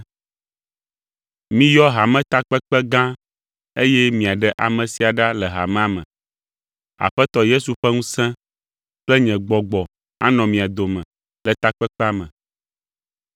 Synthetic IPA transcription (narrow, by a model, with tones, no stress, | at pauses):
mĩ˦jɔ˦ɦa˨mɛ̃˦t̪a˦k͡pɛ˦k͡pɛ˦ɡã˦ | e˦jɛ˦mĩ˨a˨ɖɛ˦ʔa˨mɛ̃˨si˨a˨ɖa˦lɛ˨ɦa̰˨mɛ̃˦a˨mɛ̰̃˨ | a̰˨ɸɛ˦t̪ɔ˦je˦su˨ɸɛ˦ŋũ˦sɛ̃˦ | k͡plɛ˦ɲɛ̃˨ɡ͡bɔ˨ɡ͡bɔ˨ | a˦nɔ̃˨mĩ˨a˨d̪o˨mɛ̃˨ | lɛ˨t̪a˦k͡pɛ˦k͡pɛ˦a˦mɛ̃˨